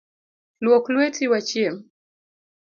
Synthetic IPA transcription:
lwɔklwɛtʰiwat͡ʃiɛm

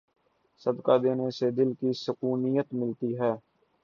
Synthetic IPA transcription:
səd̪kaːd̪eːnesed̪ɪlkiːsəkuːnijət̪mɪlt̪iːɦɛː

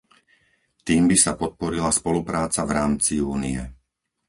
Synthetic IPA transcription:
t̪iːmbisapɔt̪̚pɔɾilaspɔlupɾaːt͡savɾaːmt͡siuːniɛ

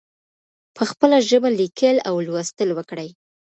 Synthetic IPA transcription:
pʰəxpəlaʒəbalikʰəlawlwast̪əlwəkɽəj

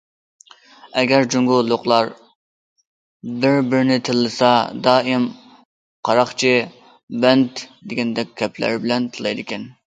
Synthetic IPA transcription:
ɛɡʲɛɾd͡ʒuŋɡʊlːˠoqlˠɑɾ | bɪɾbɪɾnɪt̪ʰɨlˠːɨsɑd̪ɑːɪm | qʰɑɾɑχt͡ʃʰi | bɛnt̪d̪ɪɡʲɛnd̪ɛkʲʰːɛplæ̰ɾbɪlɛnt̪ʰɨlˠɨjd̪ɪkʲɛn

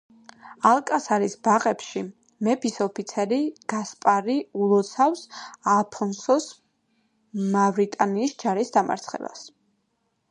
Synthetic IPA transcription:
alˠkʼasaɾisbaʁɛpʃi | mɛpʰisɔpʰit̪sʰɛɾiɡ̥aspʼaɾiulˠɔt̪sʰafsalpʰɔnsɔs | mavɾit̪ʼaniːsd͡ʒaɾisd̪ama̰ɾt̪sʰχɛ̰ba̰s

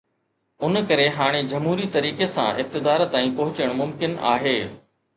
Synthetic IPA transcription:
ʊnkɐɾeɦaːɽ̃ed͡ʑɐmɦuːɾit̪ɐɾiːkesã̰ʔɪf̚t̪ɪd̪aːɾt̪aːĩpɐɦʊt͡ɕəɽ̃mʊmkɪna̰ːɦeː

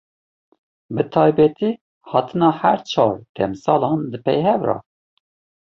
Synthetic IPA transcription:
bɨt̪ʰɑːjbɛt̪iː | hɑːt̪ʰɨnɑːhæɾt͡ʃʰɑːɾd̪̥ɛmsɑːlɑnd̪ɨpɛ̰jhɛvɾɑ̰

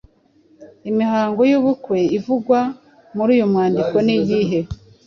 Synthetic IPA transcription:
imiɦaːŋɡo̞juːβukwe̞ivuɡwa | muɾuːjomwaːndiko̞nijiːɦe̞

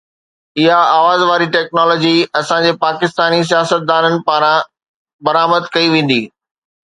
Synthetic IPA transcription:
ɪɦaaːʋaːzʋaːɾiʈɛːk̚nɔːlɔːd͡ʑiɐsãd͡ʑeːpaːkɪst̪aːnis̬ijaːsət̪̚d̪aːnənɪ̆paːɾã | bɐɾaːməd̪kɐiʋẽːn̆d̪iː

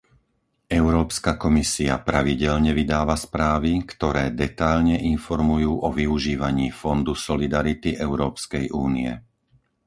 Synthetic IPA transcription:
ɛʊɾɔːpskakɔmisia̰pɾaʋiɟɛʎɲɛʋid̪aːʋaspɾaːʋikt̪ɔɾɛːd̪ɛt̪aʎɲɛʔinfɔɾmujuːʔɔʋiuʒiːʋaɲiːfɔnd̪usɔlid̪aɾit̪iʔɛʊɾɔːpskɛjʔuːniɛ̰

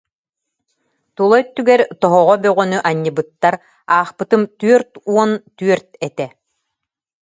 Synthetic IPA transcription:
t̪ulˠɔjt̪ːyɡɛɾt̪ɔɦɔʁɔbœʁɔnyʔaɲːibɯt̪ːaɾ | aːχpɯt̪ɯmt̪yœɾt̪uɔnt̪yœɾt̪ɛt̪ɛ

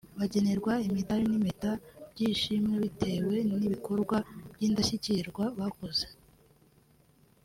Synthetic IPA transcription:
βaɟe̞ne̞ɾɡwaimidaɾinimetab̥ɟiːʃimŋe̞βitʰe̞ːwe̞niβiko̞ɾɡwabjiːndaçiciɾɡwaβakoze

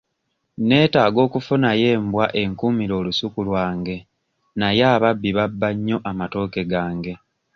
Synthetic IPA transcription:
ne̞ːtaːɡo̞ːkufunaje̞ːmbwaʔe̞ŋkumiɾo̞ːlusukulwaːŋɡe̞ | najeːβabːiβabːaɲːo̞ʔamato̞ːke̞ɡaːŋɡe̞

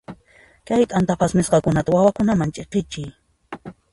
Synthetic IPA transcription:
kajt̪ʼant̪apasmɪsqɑkʊnat̪awawakʊnamant͡ʃʼeqɪt͡ʃɪj

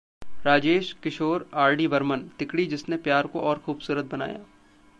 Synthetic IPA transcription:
ɾaːd͡ʒeːʃkɪʃoːɾaːɾɖiʋɐɾmənt̪ɪkɽid͡ʒɪsnepjaːɾkoʔɔːɾxuːbsuːɾət̪̚bɐna̰ːja̰ː

